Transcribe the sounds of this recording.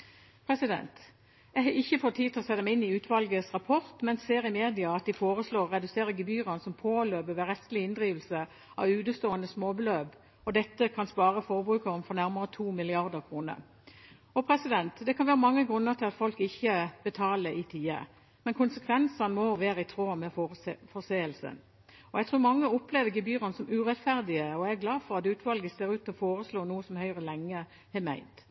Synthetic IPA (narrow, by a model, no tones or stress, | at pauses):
pʰɾɛsɪd̪ɛ̰nt̪ | ɛhɑɪçːəfɔt̪ʰːiːd̪̚t̪ɪlɔsɛd̪əmæɪɪnɪʉːt̪ʰʋɑlɡəsʁɑpʰɔʁt̪mɛnseːʁɪmeːd̪ɪɑɑt̪̚d̪ɪfoːʁəsloːʁɛd̪ʉseːɾəɡəbyːʁɑnsɔmpʰoːløːbəʋəʁɛst̪lɪɪnd̪ʁiːʋlsə | ʔɑʋʉːd̪əst̪oːənəsmoːbəløːb | ɔd̪ɛt̪ːəkʰɑnspɑːʁəfɔːʁbʁʉːkɑʁmfɔʁnæɾməʁət̪ʰuːmɪlɪɑʁd̪əʁkʰʁuːnə̰ | ɔpʰɾɛsɪd̪ɛnt̪d̪ɛkʰɑnʋæːʁəmɑŋːəɡʁʉnːəʁt̪ʰɪlɑt̪fɔlkɪçːəb̥ət̪ʰɑːləʔɪt̪ʰiːə̰ | mɛnkʰʊnsəkʰʋɛnsɑnmɔʋeːʁəɪt̪ʰʁoːmɛffɔseːəlsə̰n | ɔjɛɡt̪ʰʁʉːɾmɑŋːəɔpleːʋəɡɪbyːʁɑnsɔmʉːʁɛt̪fæʁd̪ɪəɔææɡlɑːfɔʁɑt̪ʉːt̪ʋɑlɡəseːɾʉːt̪ʰːɪlɔfoːʁəsloːnuːəsɔmhœʏʁəlɛŋːə | hɛmæɪnt̪